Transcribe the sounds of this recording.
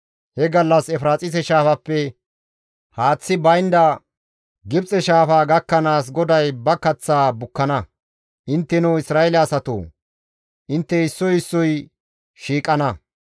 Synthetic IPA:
hɛɡɐlːɐsɛfɾaːt͡sʼɪs̬ɛʃaːfɐpːɛ | haːt͡sːɪbɐjnd̪ɐ | ɡɪbt͡sʼɛʃaːfaːɡɐkːɐnaːs̬ɡɔd̪ɐjbɐkɐt͡sːaːbʊkːɐnɐ | ʔɪnt̪ːɛnɔwɪsɾaːɛlɛɐsɐt̪o̰ː | ʔɪnt̪ːɛɪsːɔjɪsːɔj | ʃiːkʼːɐnɐ

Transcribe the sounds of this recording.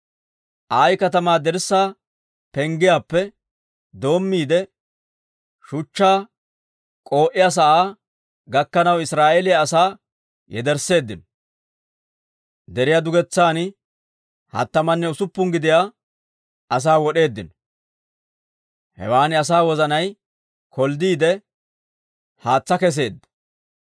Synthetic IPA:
ʔaːjkɐt̪ɐmaːd̪ɛɾsːaː | pɛŋɡɪjaːpːɛ | d̪o̞ːmːiːd̪ɛ | ʃʊt͡ʃːaː | kʼo̞ːʔɪjaːs̬ɐʔaː | ɡɐkːɐnɐwɪsɾaːʔeːlɪjaːsaː | jɛ̰d̪ɛɾse̞ːd̪ːɪn | d̪ɛɾɪjad̪ʊɡɛt͡sːaːn | hɐ̰t̪ːɐmɐnːɛʊsʊpːʊŋɡɪd̪ɪja | ɐs̬aːwɔɗe̞ːd̪ːɪnɔ | hɛ̰waːnɪɐs̬aːwɔzɐnɐj | kʰɔld̪iːd̪ɛ | haːt͡sːɐkɛs̬e̞ːd̪ːɐ̥

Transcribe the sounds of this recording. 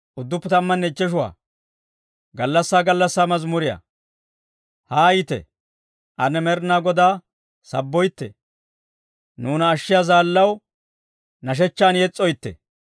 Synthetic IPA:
ʔʊd̪ːʊpːɛt̪ɐmːɐnːɛɪt͡ʃːɛʃʊwa̰ː | ɡɐlːɐsːaːɡɐlːɐsːaːmɐzmʊɾɪja̰ | haːjɪt̪ɛ̰ | ʔɐnɛmɛɾnaːɡɔd̪aː | sɐbːɔjt̪ːɛ̰ | nuːnɐːʃːɪjaːzaːlːɐw | nɐʃ̬ɛt͡ʃːaːnjɛt͡sʼːɔjt̪ːɛ̰

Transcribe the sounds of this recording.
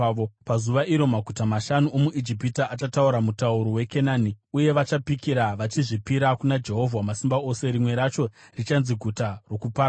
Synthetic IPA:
pazuʋaʔiɾo̞maɡʱutamaʃanuomuʔid͡ʒipitaːt͡ʃatauɾamutauɾo̞we̞ke̞naːniuje̞ʋat͡ʃapikiɾaʋat͡ʃiʐipiɾakunad͡ʒe̞ɦo̞vʱwamasimbaose̞ɾimwe̞ɾat͡ʃo̞rit͡ʃanziɡʱutaro̞kupa

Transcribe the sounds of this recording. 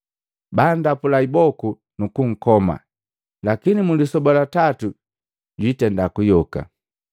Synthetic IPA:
bandapulaibɔku | nukuŋ̩kɔma̰ | lakinimulisɔbɔlatatu | ɟitɛndakujɔka̰

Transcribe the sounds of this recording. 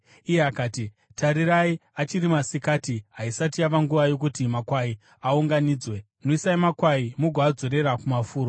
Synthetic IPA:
ijeakaːti | tʰaɾiraiat͡ʃirimasikaːtiɦaisat̬iaʋaŋɡuʋajo̞k̬utimakwai | auŋɡaniːd͡zwe̞ | noisaimakwaimuɡʱoad͡zo̞ɾe̞ɾakumafuːɾo

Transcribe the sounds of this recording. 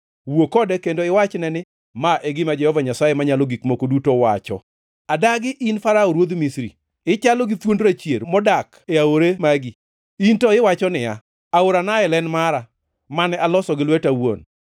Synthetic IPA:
wokɔdɛkendoɪwat͡ʃnɛnɪ | maʔeɡɪmad͡ʒɛhɔvaɲasajemaɲalɔɡikmokodutowat͡ʃɔ̰ | adaɡɪʔinfaɾaoɾwod̪misɾḭ | ɪt͡ʃalɔɡɪtwondɾat͡ʃjeɾmɔdak | eaoɾemaɡi | intɔɪwat͡ʃɔnɪa | aoɾanaɛlɛnmaɾa | manɛalɔsɔɡɪlwɛtawo̰n

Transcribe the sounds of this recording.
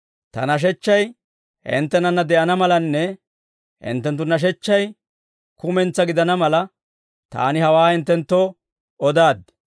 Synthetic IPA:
t̪ɐ̰nɐʃ̬ɛt͡ʃːɐj | ɪ̰nt̪ːɛnɐnːɐd̪ɛʔɐnɐmɐlɐnːɛ | ɪ̰nt̪ːɛnt̪ːʊnːɐʃ̬ɛt͡ʃːɐj | kʊmɛnt͡sːɐɡɪd̪ɐnɐmɐlɐ | t̪a̰ːnɪhɐwaːhɪnt̪ːɛnt̪ːoː | ɔd̪aːd̪

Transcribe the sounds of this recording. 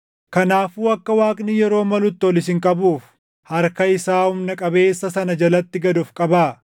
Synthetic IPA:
kɐnaːfuːɐkːɐwaːkʼnijɛɾo̞ːmɐlʊt̪ːɪɔlɪs̬ɪŋkʼɐbuːf | hɐɾkɐɪsaːhʊmnɐkʼɐbe̞ːsːɐsɐnɐd͡ʒɐlɐt̪ːɪɡɐd̪ʊfkʼɐbaː

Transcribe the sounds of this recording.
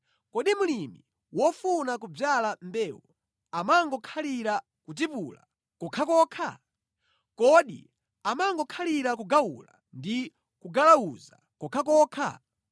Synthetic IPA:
kɔɗimulimi | wɔfunakub͡ʐjalambɛːwɔ | amaŋɡɔkʰaliɾa | kut̬ipula̰ | kɔkʰakɔkʰa̰ | kɔɗḭ | amaŋɡɔkʰaliɾak̬uɡawṵla̰ | ndi | kuɡalawuza̰ | kɔkʰak̬ɔːkʰa̰

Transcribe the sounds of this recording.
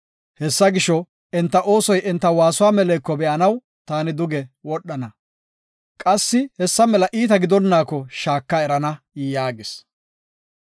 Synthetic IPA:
hɛsːɐɡɪʃɔ | ɛnt̪ːɐʔo̞ːsɔjɛnt̪ːɐwaːsʊwaːmɛleːkːɔbɛʔɐnɐw | t̪aːnɪd̪ʊɡɛwɔɗːɐnɐ | kʼɐsːɪhɛsːɐmɛlɐʔiːt̪ɐɡɪd̪ɔnːaːkːɔʃaːkːaɛɾɐnɐ | jaːɡɪs

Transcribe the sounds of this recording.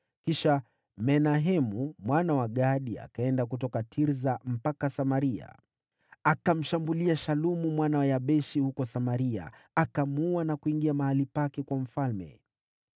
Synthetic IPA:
kiʃa | mɛnaɦɛmumwanawaɠaɗia̰kaɛndak̬utɔkatʰiɾzam̩pakasamaɾia̰ | akam̩ʃambuliaʃalumumwanawajaɓɛʃihukɔsamaɾia̰akamuwanakuiŋɡiamahalipakɛkwam̩falmɛ̰

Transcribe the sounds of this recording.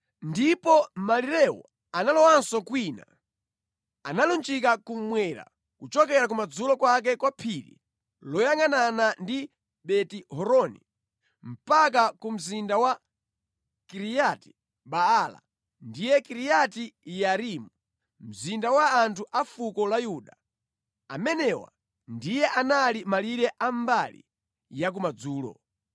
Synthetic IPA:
ndipɔmaliɾɛwɔ̰ | analɔwansɔkwiːna | analunt͡ʃikakumwɛɾa̰ | kut͡ʃɔk̬ɛɾak̬umad͡zulɔkwak̬ɛkwapʰiɾḭ | lɔjaŋɡananandi | ɓɛtiɦɔɾɔnḭ | m̩pak̬akum̩zindawa | kiɾijati̥ | ɓaala̰ | ndijɛkiɾijatijaɾimu | m̩zindawaːntʰuʔafukɔlajuɗa | a̰mɛnɛwa̰ | ndijɛʔanalimaliɾɛʔambalḭ | jak̬umad͡zuːlɔ̰

